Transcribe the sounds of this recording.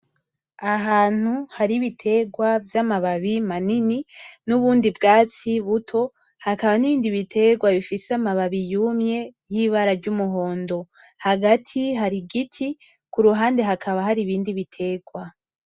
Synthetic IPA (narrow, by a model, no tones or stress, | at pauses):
aɦaːn̥huhaɾiβitʰe̞ɡwavjamaβaβimanininuβuːndibɡaːt͡siβutʰo̞ | hakaβaniβiːndiβitʰe̞ɡwaβifiseamaβaβijumɲe̞jiːβaɾaɾɟumuɦo̞ːndo̞ | haɡatʰiɦaɾiɡitʰi | kuɾuɦaːnde̞ɦakʰaβahaɾiβiːndiβitʰe̞ɡwa